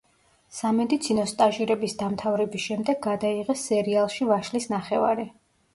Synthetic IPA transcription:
samɛd̪it̪sʰinɔst̪ʼaʒiɾɛbisd̪amt̪ʰavɾɛbisʃɛmd̪ɛɡːad̪aiʁɛsːɛɾialˠʃivaʃlisnaχɛva̰ɾi

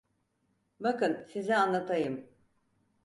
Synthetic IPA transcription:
bakɯnsizianlˠat̪ʰajɯm

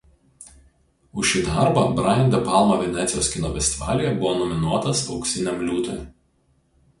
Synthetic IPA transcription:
ʊʃʲiːd̪ɑɾbɐbɾɐnʲd̪ʲɛpɑˑlˠmɐʋʲɛnʲɛt̪sʲɪjoːskʲɪnofʲɛsʲt̪ʲɪʋɑ̰ːlʲɪjɛbʊʋoːnɔmʲɪnuɔt̪ɐsɒʊksʲɪnʲɛmlʲuːt̪oj

